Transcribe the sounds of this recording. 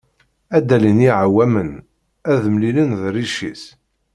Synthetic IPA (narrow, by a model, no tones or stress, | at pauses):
æd̪ːæliniʕawæmən | æðəmlilənðriʃḭs